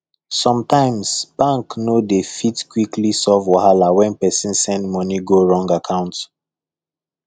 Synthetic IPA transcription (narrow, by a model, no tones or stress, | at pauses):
sɔ̃mtãɪ̃msb̥ãŋknodefitkwiklisɔvwɔɦalawɛ̃npɛsĩnsɛ̃ndmɔniɡoɹɔ̃ŋɡakʰãʊ̃nt